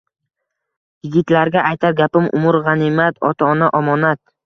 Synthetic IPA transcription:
jɪɡʲɪt̪laɾɡʲaʔajt̪ʰaɾɡʲapɪmʊ̰mʊɾʁɑnɪmat̪ʰɒ̰t̪ʰaɒnaʔɒmɒnat̪̚

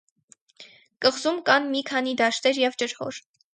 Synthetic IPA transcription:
kəʁzumkɑnmikʰɑnid̪ɑʃt̪ɛɾjɛvt͡ʃəɾhɔ̰ɾ

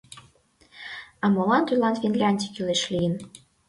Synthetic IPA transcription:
ɑmolˠɑnt̪ylˠɑnfʲinlʲɑnʲd̪ʲikʲyleʃlʲijən

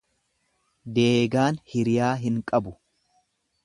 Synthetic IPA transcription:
d̪eːɡaːnhɪɾɪjaːɦɪŋkʼɐbʊ

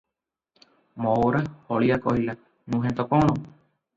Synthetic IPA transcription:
mooɾahoɭiakohila | nũɦẽnt̪okoñõ

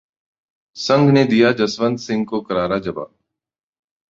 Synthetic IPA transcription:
səŋɡneːd̪ɪːjaːd͡ʒəsʋənd̪sɪŋɡ̚koːkəɾaːɾaːd͡ʒəba̰ː

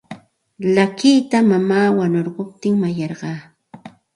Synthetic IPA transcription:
lakijt̪amamaːwanoɾɢop̚t̪ɪŋmajɑɾɢɑː

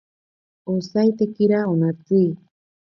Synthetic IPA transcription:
osajt̪ekiɾaonat͡si

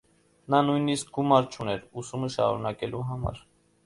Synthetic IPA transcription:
nɑnujnisk̚ɡumɑɾt͡ʃʰunɛɾusuməʃɑ̰ɾunɑkɛlʔuɦɑmɑ̰ɾ

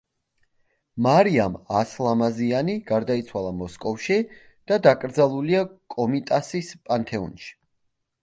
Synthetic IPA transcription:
maɾiamaslˠamazianiɡ̥aɾd̪ait̪sʰwalˠamɔskʼɔfʃi | d̪̥ad̪akʼɾd̪zalˠuliakʼɔmit̪ʼasispʼant̪ʰɛɔ̰nʃi̥

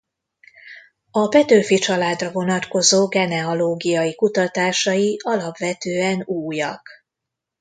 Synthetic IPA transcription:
ɒpɛt̪øːfit͡ʃɒlaːd̪rɒvo̞nɒt̪ko̞zoːɡɛnɛoloːɡijɒjikut̪ɒt̪aːʃɒjiɒlɒpʋɛt̪øːɛnuːjɒk

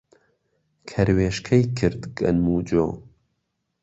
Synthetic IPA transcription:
kʰɐɾweːʃkʰɐjkʰɨɾd̪ɡɐ̰nmuːd͡ʒoː

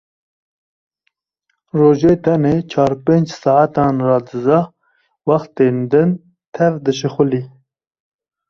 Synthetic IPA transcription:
roːʒeːt̪ʰɛneːt͡ʃʰɑːɾpeːnd͡ʒsɑːat̪ɑːnrɑːd̪ɨzɑ | wɑxt̪eːnd̪ɨn | t̪ʰɛvd̪ɨʃɨxʊli

